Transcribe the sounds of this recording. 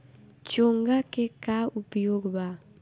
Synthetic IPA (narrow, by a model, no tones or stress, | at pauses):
t͡ʃoŋɡakekaupiokba